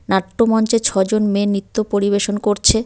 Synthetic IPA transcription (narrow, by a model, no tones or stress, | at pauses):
naʈːomɔnt͡ɕet͡ɕʰɔd͡ʑonmenɾit̪ːopoɾiβeʃonkoɾt͡ɕʰe